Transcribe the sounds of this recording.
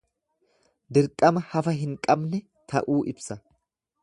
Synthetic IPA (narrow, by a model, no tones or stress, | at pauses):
d̪ɪɾkʼːɐmɐhɐfɐɦɪŋkʼɐbnɛ | t̪ʰɐ̰ʔuːʔɪbsɐ